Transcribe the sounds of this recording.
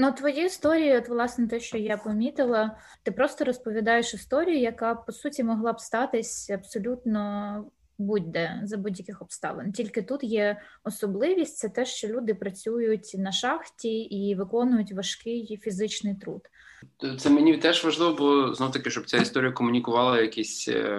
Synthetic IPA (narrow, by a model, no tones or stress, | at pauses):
nut̪ʋɔjiist̪ɔɾʲijiɔt̪ʋlˠɑsnɛt̪ɛʃt͡ʃɔjapɔmʲit̪ɪlˠɐ | t̪ɪpɾɔst̪ɔɾɔspɔʋʲid̪ɑjeʃɪst̪ɔɾʲijʊjɐkɑpɔsutʲimɔɦlˠɑbst̪ɑt̪ɪsʲɐbsɔlʲut̪nɔ | bud̚ʲd̪ɛzɐbudʲjɐkɪxɔbst̪ɑ̰lˠḛntʲilʲkɪt̪ut̪jɛɔsɔblˠɪʋʲisʲtʲtsɛt̪ɛʃt͡ʃɔlʲud̪ɪpɾɐt͡sʲujʊtʲnɐʃɑxtʲiiʋɪkɔnʊjʊtʲʋɐʃkɪjfʲizɪt͡ʃnɪjt̪ɾṵd̪̥ | t̪sɛmenʲit̪ɛʒʋɐʒlˠɪʋɔbʊlˠɔznɔwt̪ɐkɪʃt͡ʃɔb̚t͡sʲaist̪ɔɾʲijɐkɔmʊnʲikʊʋɑlˠɐjɐkʲisʲ